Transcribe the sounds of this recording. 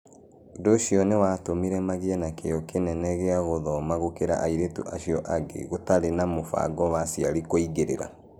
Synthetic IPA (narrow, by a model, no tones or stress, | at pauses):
doʃiɔnewatomiɾɛmaɣeɛnakejɔkenɛnɛɣeaɣoðɔmaɣokeɾa̰ʔaiɾetṵʔaʃiɔʔaɡḛɣotaɾenamofa̰ɡɔwasiaɾikoiɡeɾḛɾa̰